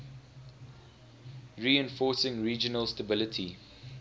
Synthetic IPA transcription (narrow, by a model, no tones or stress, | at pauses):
ɹiːɛ̃nfɔːˑsɪ̃ŋɹiːd͡ʒənəlstəbɪlətʰi